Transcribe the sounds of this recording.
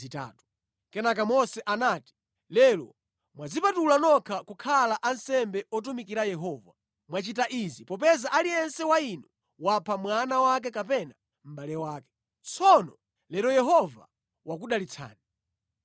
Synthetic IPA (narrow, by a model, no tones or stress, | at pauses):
ita̰ːtu̥ | kɛnak̬amɔsɛʔanaːti̥ | lɛlɔ̰ | mwad͡zipatulanɔkʰakukʰalaʔansɛmbɛɔt̬umikiɾajɛɦɔːva | mwat͡ʃitaʔizipɔp̬ɛzaʔaliɛnsɛwainu | wapʰamwanawak̬ɛkapɛna | m̩ɓalɛwaːkɛ̥ | t͡sɔnɔ | lɛɾɔjɛɦɔva̰ | wak̬uɗalit͡sʰa̰ːni